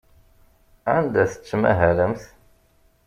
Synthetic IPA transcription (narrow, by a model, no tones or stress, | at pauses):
ʕænd̪æθə̥t͡sːmæ̰ɦæləmθ